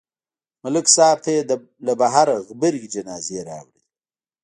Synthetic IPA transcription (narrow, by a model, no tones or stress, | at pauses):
mʊlɪksɑːb̚t̪ʰae | labaɦaɾaɣbəɾɡid͡ʒanɑːzeɾɑ̰wɽi